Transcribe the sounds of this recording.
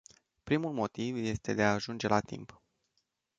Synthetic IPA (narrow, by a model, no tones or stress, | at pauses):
pɾimulmo̞t̪ivje̞st̪e̞d̪e̞aːʒund͡ʒe̞lʔat̪ḭmp